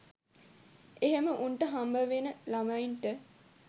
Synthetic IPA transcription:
eɦeməʔunʈəɦambəʋenəlamainʈə

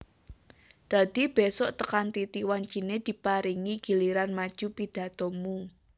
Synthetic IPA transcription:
d̪̥a̤d̪̥i̤b̥esɔʔt̪əkant̪it̪iwaɲt͡ʃined̪̥i̤paɾiŋiɡ̥i̤liɾanmad̥ʒ̥ṳpid̪̥ä̤t̪ɔmu

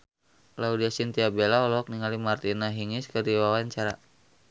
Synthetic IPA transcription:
laudiasint̪iabelaɔlɔk̚niŋalimart̪inaɦiŋiskərdiwawaɲt͡ʃaɾa̰

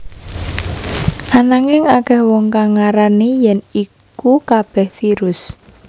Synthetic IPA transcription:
ʔanaŋɪŋakɛhwɔŋkaŋaɾanijɛnikukab̥ɛhfiɾʊs

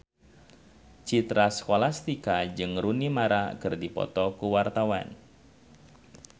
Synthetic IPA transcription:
t͡ʃit̪ɾaskɔlast̪ikad͡ʒɨŋɾunimaɾakɨrdipɔ̰t̪ɔkuwart̪awa̰n

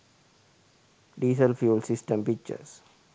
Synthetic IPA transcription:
ɖiːsəlfjuːlsɪsʈə̃mpik̚t͡ʃə̰ɾs

